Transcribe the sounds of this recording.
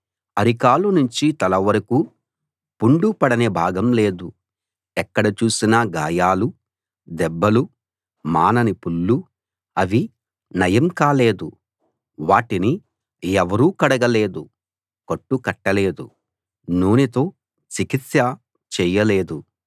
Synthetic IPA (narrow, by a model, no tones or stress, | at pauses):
ɐɾikaːlunuɲt͡ʃit̪ɐlɐʋɐɾɐku | puɳɖupɐɽɐneːbʱaːɡɐmle̞ːd̪u | ɛkːɐɽɐt͡ʃuːsinɐɡaːjaːlu | d̪ɛbːɐlu | maːnɐnipulːu | ɐʋi | nɐjɐmkaːle̞ːd̪u | ʋaːʈini | ɛʋɐɾuːkɐɽɐɡɐle̞ːd̪u | kɐʈːukɐʈːɐle̞ːd̪u | nuːnit̪o̞ː | t͡ʃikit̪sjɐ | t͡ʃɛːjɐle̞ːd̪u